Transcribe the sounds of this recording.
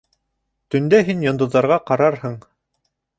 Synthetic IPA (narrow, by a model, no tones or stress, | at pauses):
t̪ɵ̆nd̪æɦinjŏnd̪ɤ̆ððɑɾʁɑqɑɾɑɾhɤɴ